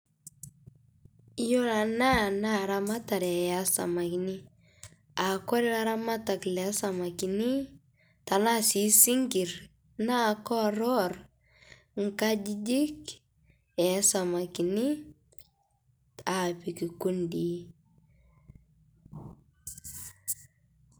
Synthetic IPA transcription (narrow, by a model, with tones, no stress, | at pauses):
jo˦la˨na˦na˦˨ɾa˦ma˦ta˨ɾɛ˨ja˦sa̰˨ma˨ki˨nɪ˦ | a˨kɔ˦ɾi˦a˦ɾa˦ma˦ta˨klɛ˨a˦sa˨ma˨ki˨ni˦ | ta˨na˦si˨˦si˦ŋɡi˨ɾ | na˦kɔ˦ɾɔ˦r | ŋ˦ka˦d͡ʒi˦d͡ʒɪ˦k | ɛ˨˦sa˨ma˨ki˨ni˦ | a˨pi˨ki˨ku˦ndi˨